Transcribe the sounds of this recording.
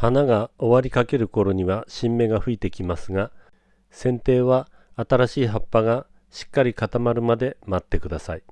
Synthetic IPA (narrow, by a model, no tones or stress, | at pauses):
hanaɡaoβaɾʲikake̞ɾɯ̟ko̞ɾo̞ɲ̟iβaɕĩmːe̞ɡaɸɯ̟it̪e̞kʲimasɨɡa | sẽ̞nt̪e̞ːβaː | t̪aɾaɕiːɦapːaɡa | ɕi̥kːaɾʲikat̪amaɾɯ̟mad̪e̞mat̪ːe̞kɯd̪asai